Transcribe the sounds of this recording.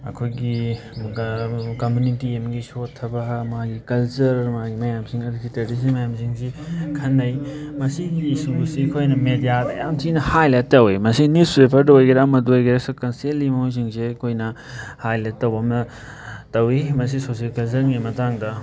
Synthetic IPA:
ɐ̰kʰojɡi | komjunitiemɡisotʰːɐbɐmaɡikɐlt͡ʃɐɾɐdumaɡimɐjamsiŋɐduɡiteɾdis̬imɐjamsiŋsikʰɐnːɐjmɐsiɡiːsusikʰojnɐmedijadɐ̰jamsinɐhajlet̚ːɐwimɐsinuspɾepʰɐɾdɐojɡɐɾamɐduojɡeɾasɐkɐnselːimɐojs̬iŋsekʰojnɐ | hajlet̚ːɐwbɐmnɐ | tɐwimɐs̬isosielkɐlsɐɾɡimɐtaŋdɐ

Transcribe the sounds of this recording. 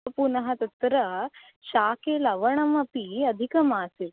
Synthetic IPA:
punɐɦɐt̪ɐt̪ɾɐ | ʃaːkeːlɐʋɐɳ̃ɐmɐpiɐd̪ʱikɐmaːsit

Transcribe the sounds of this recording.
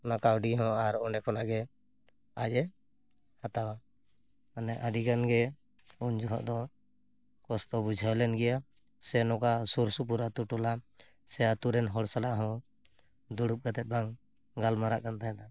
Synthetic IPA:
nakawɖiɦɔ̃aɾɔɳɖɛkʰɔnaɡɛ | ajɛ | hat̪awa | anɛʔaɖikanɡɛ | und͡ʒɔɦɔ̰ʔd̪ɔ | kɔsʈɔbud͡ʒʱalɛnɡɛja | sɛnɔ̃kasuɾsup̬uɾat̪uʈɔla | sɛat̪uɾɛnɦɔɽsalaʔɦɔ̃ | d̪uɽup̚ɡat̪ɛt̪̚ˀbaŋ | ɡalmaɾa̰ʔkant̪aɦɛ̃d̪a

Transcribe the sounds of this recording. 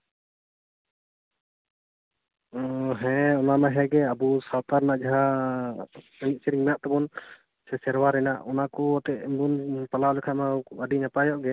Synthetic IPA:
ɦɛ̃ɔnamɛɦɛɡɛəbusawt̪aɾnaʔd͡ʒaɦa | əɲit̪̚siɾiŋmɛjaʔt̪ɛbɔn | sɛsɛɾwaɾɛna̰ʔɔnakɔɔt̪ɛʔmbunpalalɛkʰamɛəɖinapajɔʔɡɛ

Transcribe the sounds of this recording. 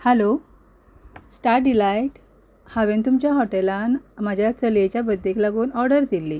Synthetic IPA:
hɛlo | sʈaɾ̚ɖilajʈ | haʋent̪umt͡ɕjaɦɔʈelanmad͡ʑʱjat͡səlet͡ɕjabəd̪ʱːeklaɡuːnɔɾɖəɾd̪ilːi

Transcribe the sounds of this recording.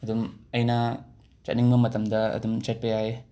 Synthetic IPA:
ɐdumɐjna | t͡ʃɐ̰t̚niŋbɐmɐtɐmdɐɐ̰dumt͡ʃet̚pejaj

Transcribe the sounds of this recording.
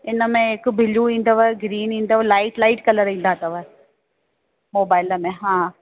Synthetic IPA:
ɪnəmẽɦɪkbʱɪluĩːn̆d̪əʋəɡɾiːnĩːn̆d̪əʋəlaːɪʈlaːɪʈkɐləɾĩːn̆d̪aːt̪ɐʋə | moːbaːɪləmẽɦãː

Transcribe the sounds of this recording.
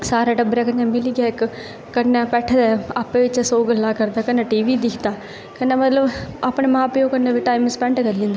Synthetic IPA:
saːɾaːɖəbɾaːk̬ənːãːmɪliɡaːɪkː | ənːaːpɛːʈʰd̪ɛːapːẽːʋɪt͡ʃsoːɡəlaːkəɾd̪aːkənːãːʈiːʋiːd̪ɪkʰt̪aː | kəneːmət̪ləbapɳemãːpɪjõːkənːeːʋiːʈaːɪmspɛ̃ːɳʈkəɾlĩnd̪aː

